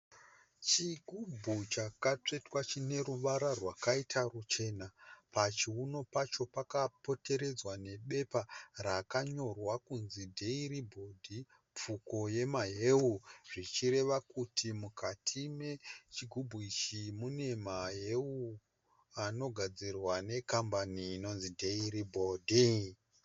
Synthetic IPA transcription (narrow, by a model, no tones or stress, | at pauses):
t͡ʃiɡʱubʱut͡ʃakat͡ʂe̞twat͡ʃine̞ɾuʋaɾarwakaitʰarut͡ʃe̞ːnapat͡ʃiuno̞pat͡ʃo̞pakapo̞te̞ɾe̞d͡zwane̞ɓe̞parakaɲo̞rwakunzidʱe̞iribʱo̞dʱi | p͡fuko̞je̞maɦe̞uʐit͡ʃire̞ʋakutʰimukʰatʰime̞t͡ʃiɡʱubʱuit͡ʃimune̞maɦe̞u | ano̞ɡʱad͡zirwane̞kambaniːno̞nzidʱe̞iribʱodʱi